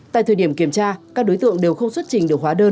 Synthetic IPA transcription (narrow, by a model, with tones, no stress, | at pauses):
t̪a̰ː˧˨jt̪ʰəː˨˩ɗi˧˩əmki˧˩əmt͡ɕaː˧kaː˦˥k̚ɗo˨˦jt̪ɨ̰˧˨əŋɗe˨˩wxə˧wŋ͡mswt̚t͡ɕï˨˩ŋ̟ɗɨ˨˩əkhwaː˨˦ɗəː˧n